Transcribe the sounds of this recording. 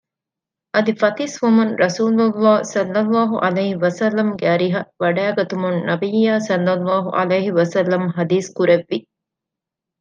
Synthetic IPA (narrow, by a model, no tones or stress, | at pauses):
ʔɐd̪ifɐt̪isʋumunɾʔɐsuːlulːaːsɐlːɐlːaːɦṵʔɐleːhiʋɐsɐlːɐmɡeɐɾiɦɐʋɐɖæːɡɐt̪umunnɐbijːaːsɐlːɐlːaːɦṵʔɐ̰leːɦiʋɐsɐlːɐmɦɐd̪iːskuɾeʋːi